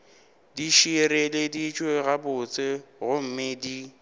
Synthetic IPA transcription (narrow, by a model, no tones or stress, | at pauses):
diʃiɾeledit͡ʃʼweɣabʊt͡sʼɪɣʊm̩mɪdi